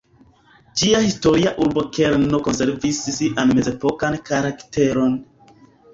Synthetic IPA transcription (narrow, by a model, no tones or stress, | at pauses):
d͡ʒiahisto̞ɾiaʔuɾbokeɾnokonse̞ɾvissiʔanme̞ze̞po̞kankaɾakte̞ɾo̞n